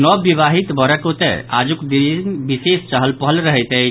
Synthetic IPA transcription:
nɔbiβaɦit̪bəɾəkot̪ɛ̰a̰d͡ʒukd̪inbisest͡ʃəɦəlpɦəlɾəɦɛjt̪ɛ

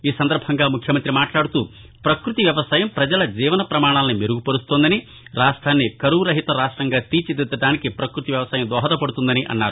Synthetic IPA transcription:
iːsɐnd̪ɐɾbʱɐŋɡaːmukʰjɐmɐnt̪ɾimaːʈlaːɽut̪uː | pɾɐkɾut̪iʋjɐʋɐsaːjɐmpɾɐd͡ʒɐlɐd͡ʒiːʋɐnɐpɾɐmaːɳ̃aːlɐnimeɾuɡupɐɾust̪oːnd̪ɐni | ɾaːʂʈʰaːnːikɐɾuɾɐɦit̪ɐɾaːʂʈɾɐŋɡaːt̪iːt͡ʃid̪id̪ːɐʈaːnikipɾɐkɾut̪iʋjɐʋɐsaːjɐmd̪ʋɔːɦɐt̪ɐpɐɽut̪und̪ɐniʔɐ̰nːaːɾu

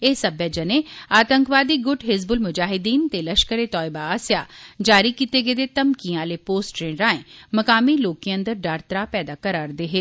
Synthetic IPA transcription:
eːsəbed͡ʒəneːaːt̪əŋkʋaːd̪iːɡʊʈʰɦɪzbʊlmʊd͡ʒaːɦɪd̪iːnt̪eːləʃkəɾeːt̪ɔːɪbaːaːsjaːd͡ʒaːɾiːkiːt̪eːɡeːd̪eːt̪əmkiãːleːpoːsʈɾeːɳɾãːẽːməkaːmiːloːkiə̃nd̪əɾɖaːɾt̪ɾaːpɛːd̪aːkəɾaːɾd̪eːɦeː

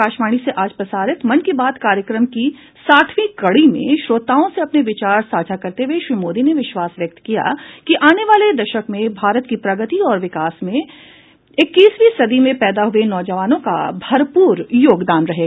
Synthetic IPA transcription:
aːʃmaːɽ̃iseʔaːd͡ʒpɾɐsaːɾɪt̪mɐnkibaːd̪kaːɾjəkɾəmki | saːʈʰʋikɐɽimḛ̃ʃɾoːt̪aːõseɐpneʋɪt͡ʃaːɾsaːd͡ʒʱakɐɾt̪eɦeʃɾiːmoːd̪ineʋɪʃʋaːsʋjɐk̚t̪kija̰kiʔaːneʋaːled̪ɐʃəkmẽbʱaːɾət̪kipɾɐɡət̪iɔːɾʋɪkaːsmẽ | ɪkːiːsʋisɐd̪imẽpɛːd̪aɦʊenɔːd͡ʒəʋaːnõka̰bʱɐɾpuːɾjoːɡd̪aːnɾɐɦeːɡaː

